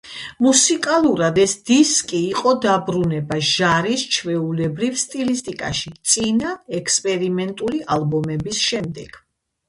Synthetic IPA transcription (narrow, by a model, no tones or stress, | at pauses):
musikʼalˠuɾad̪ɛsd̪iskʼiːqʼɔd̪abɾunɛbaʒaɾist͡ʃʰvɛulɛbɾivst̪ʼilist̪ʼikʼa̰ʃit̪sʼinaɛkʰspʼɛɾimɛnt̪ʼuliʔalˠbɔmɛbisʃɛmd̪ɛɡ̥